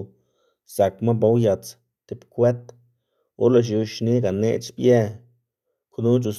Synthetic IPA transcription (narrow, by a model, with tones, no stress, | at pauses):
z̥a˨kma˦ba˦wja˨˧t͡s | t̪e˧pkʷe˦t̪ | o̰˦ɾla˧ʃ̬u˧ʃni˦ɡa˨nḛ˧t͡ʃbje˦ | knu˦t͡ʃu˧s